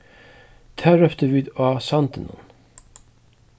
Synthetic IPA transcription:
t̪ʰæːɾœpt̪əʋiːd̪ɑːsɑnt̪ənɔ̰n

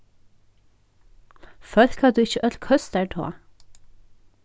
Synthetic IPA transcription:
fœɾkʰɑːd̪ʉːɪçəʔœlkʰhœst̪æʈʰo̰ː

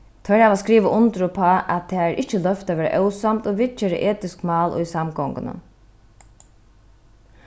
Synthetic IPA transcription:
t̪ʰœɾhaːʋaskɾiːʋəʔʊnt̪ɾʊpʰɔːʔæt̪ʰɛːæɾʔɪht͡ʃəlœft̪aʋeːɾa̰ʔœwsamt̪ɔʋɪt͡ʃeːɾɪ̰ʔeːt̪ɪskmɑːlʔʊ̰jsamɡɔŋkənə̰

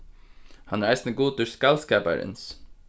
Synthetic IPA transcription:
hɑnæɾæɪsnəɡuːt̪̚ʊɾskɑlskæːpæ̰ɾə̰ns

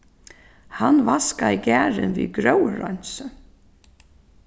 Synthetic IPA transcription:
hanvaskaiɡæːɾɪ̰nvḭːɡɾœwɹɔ̰ɲsə

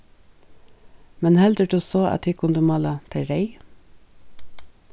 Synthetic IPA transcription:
mɛnhɛld̪əʈʉːsoːʔɑ̰t̪hiːkʰʊnd̪ʉmɑːlɑt̪ʰæɾeɪ

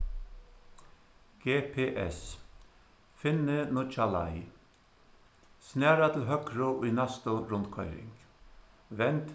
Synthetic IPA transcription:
ɡ̥eːpʰeːʔɛs | fɪnːɪnʊt͡ʃala̰j | snæːɾat̪ʰɪlɦœkɾʊʔʊjnast̪ʊɾʊnt̪kʰɔʏɾɪ̰ŋk | ʋɛnt̪

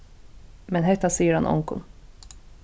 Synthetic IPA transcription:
mɛnɦɛt̪asijəɾha̰nʔɔ̰ŋkʊ̰n

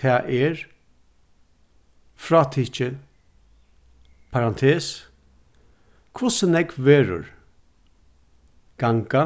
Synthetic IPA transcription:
ɛːʔɛɾ | fɾɑːt̪ʰit͡ʃə | pʰaɾant̪ʰeːs | kʰvʊsənɛkvɛːɾʊ̰ɾ | ɡ̥aŋɡa

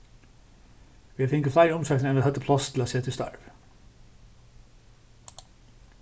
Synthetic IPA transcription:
ʋiːɑfɪŋkəflæɪɾɔmsɛk̪n̩ɛnɑt̪hɛt̪ːəpʰlɑst̪ʰɪlɑːseːt̪ʰɪst̪ɑ̰ɹʋ

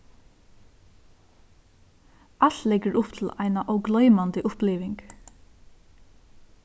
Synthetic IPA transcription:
ʔal̥t̪lɛɡəɾʊpt̪ʰɪla̰ɪnaʔɔwɡlœʏmand̪əʔʊpliːʋɪŋk

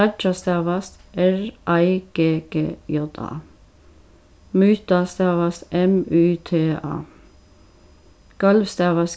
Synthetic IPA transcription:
æd͡ʒɑst̪æːʋɑsʔɛɹʔæɪɡ̥eːɡ̥ḛːjɔd̪ɑ̰ː | myːt̪ɑst̪æːʋɑsɛmʉːt̪ʰeːɑ̰ː | ɡ̥ɑlʋst̪æːʋɑs

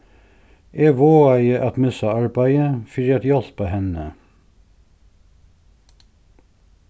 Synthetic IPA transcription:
ʔeːʋoːæɪəʔɑt̪mɛsɑɑɹbæɪəfɪɾɛt̪jɑlpɑhɛnə

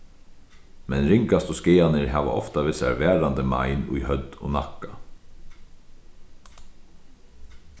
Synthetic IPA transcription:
mɛnɾɪŋkast̪ɔskɪːanɪɾɦaːʋa̰ʔɔ̰ft̪aʋɪsa̰ɹvɛːɾand̪əma̰jɪnṵjhœd̪o̰ːnakːa

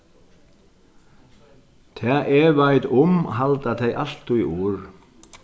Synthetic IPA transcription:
t̪ʰɛːʔɛːvajt̪ʊmɦalt̪aθejʔal̥t̪uiʔuːɾ

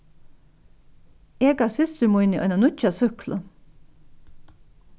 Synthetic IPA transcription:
eːɡɑsɪst̪əɾmʊjnəʔɔ̰ʏnanʊt͡ʃasʏklə

